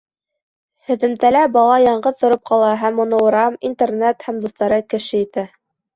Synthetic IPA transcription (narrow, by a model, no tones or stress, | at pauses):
hɵ̆ðɘ̆mt̪ælæbɑlˠɑjɑɴɢɤðt̪ŏɾɤp̚qʰɑlˠɑɦæmːŏnɤ̆wɤ̆ɾɑmint̪ernet̪hæmd̪uθt̪ɑɾɤkɘ̆ʃɘit̪æ